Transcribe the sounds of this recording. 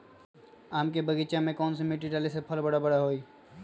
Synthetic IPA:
aːmkebəɡit͡ʃamẽkɔːnsimeʈiʈalisepʰəlbəɽabəɽaɦoi

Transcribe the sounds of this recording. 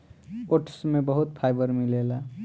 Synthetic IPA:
oʈʰsmebʌɦut̪pʰajbʌɾmilela

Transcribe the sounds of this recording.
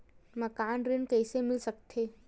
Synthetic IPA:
mɐkaːnɾɪnkɛːsemɪlsɐk̚t̪ʰeː

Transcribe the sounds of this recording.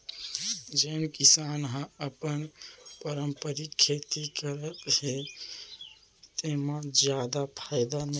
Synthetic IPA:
d͡ʒenkisanɦə̃əpənpəɾəmpəɾikʰːet̪ikəɾət̪he | t̪emãd͡ʒjad̪apʰaɪd̪an

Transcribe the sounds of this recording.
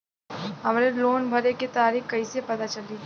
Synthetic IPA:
ɦɐmɾeloːnbʱɐɾeket̪aːɾiːxkɐisepɐt̪at͡ʃɐliː

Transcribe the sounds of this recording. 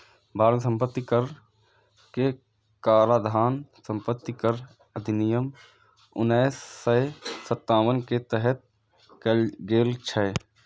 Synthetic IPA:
bʱaːɾənsə̃mpət̪ːikəɾ | ke | kaːɾaːd̪ʱaːnsə̃mpət̪ːikəɾ | əd̪ʱɪnɪjəm | ʊ̰nɛːsːəsət̪ːaːʋənket̪ɛɦɛt̪̚ | kɡeːlt͡ʃʰɛ

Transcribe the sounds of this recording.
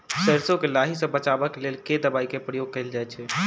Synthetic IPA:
səɾsokelaɦisə̃bət͡ʃabəkelelked̪əbaikepɾəjoɡ̚kəɪld͡ʒajt͡ʃʰɛ

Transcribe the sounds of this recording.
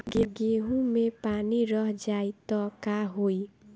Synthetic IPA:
ɡeɡeɦumepaniɾʌɦd͡ʒajt̪ɔkaɦoj

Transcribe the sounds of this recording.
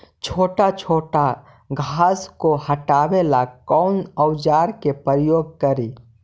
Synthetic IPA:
t͡ʃʰoːʈat͡ʃʰoːʈa | ɡʱaːskohəʈaːwelakɔʊnəwd͡ʒaːɾkepəɾjoːɡ̚kəɾiː

